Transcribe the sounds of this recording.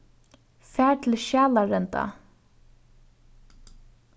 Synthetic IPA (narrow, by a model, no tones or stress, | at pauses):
fæːɹt̪ʰɪlʃjaːlaɹɛnt̪a̰